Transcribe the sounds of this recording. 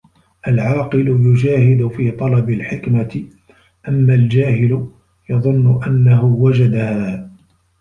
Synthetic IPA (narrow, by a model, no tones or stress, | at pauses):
ʔalʕɑːqɨlʊjʊd͡ʒaːhɪd̪ʊfiːt̪ˤɑlɑbɪlħɪkmat̪ɪ | ʔamːald͡ʒaːɦɪlʊ | jɑðˤʊnːʊʔanːaɦʊwad͡ʒad̪ahaː